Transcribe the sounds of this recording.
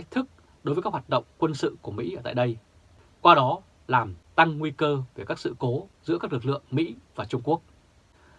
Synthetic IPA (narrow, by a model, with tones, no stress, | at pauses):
k̚t̪ʰɨ˦˥k̚ | ɗo˨˦jvəː˨˦kːa˦˥khwa˨˩t̚ɗə̰˧˨wŋ͡mkwə˧nsɨ̰˧˨ku˧˩əmḭ˧˥ʔəː˧˩t̪a̰ː˧˨jɗə˧j | kwaː˧ɗɔ˨˦ | laː˨˩mt̪a˧ŋːwi˧kəː˧ve˧˩kaː˦˥k̚sɨ̰˧˨ko˨˦zɨ̰˧˥kaː˦˥k̚lk̚lɨ̰˧˨əŋmḭ˧˥vaː˨˩t͡ɕʊ˧ŋ͡mku˦˥ək̚